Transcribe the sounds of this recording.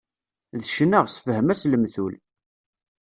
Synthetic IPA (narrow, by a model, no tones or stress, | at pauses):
ðʃnəʁsfəhəmæsləmθul